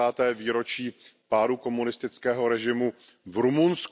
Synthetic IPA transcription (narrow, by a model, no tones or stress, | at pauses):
aːt̪ɛːviːɾo̞t͡ʃiːpaːɾuko̞munɪst̪ɪt͡skɛːɦo̞ɾɛʒɪmu | vɾumunsk